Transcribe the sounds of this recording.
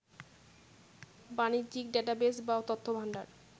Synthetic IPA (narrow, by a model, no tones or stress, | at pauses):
banit̪ːd͡ʑik̚ɖeʈabesbaot̪ot̪ʰːobʱaɳɖa̰ɾ